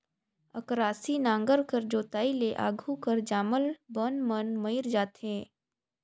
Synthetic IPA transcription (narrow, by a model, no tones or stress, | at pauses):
ə̰kɾaːsinãːŋɡəɾkəɾd͡ʒoːt̪aːileʔa̰ːɡʱukəɾd͡ʒaːməlbənmənməiɾd͡ʒaːt̪ɦɛ̃ː